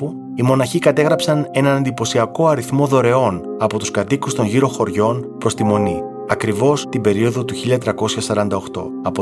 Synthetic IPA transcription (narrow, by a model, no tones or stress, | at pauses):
u | imo̞nɐçikɐt̪e̞ɣɾɐpsɐne̞nɐnend̪ipo̞siɐko̞ɐɾiθmo̞ðo̞ɾe̞o̞nɐpo̞t̪uskɐt̪ikust̪o̞ɲʝiɾo̞xo̞ɾʝo̞npɾo̞st̪imo̞ni | ɐkɾivo̞st̪ibe̞ɾio̞ðo̞t̪uçiʎɐt̪ɾɐko̞sçɐsɐɾɐnd̪ɐo̞xt̪o̞̰ | ɐpo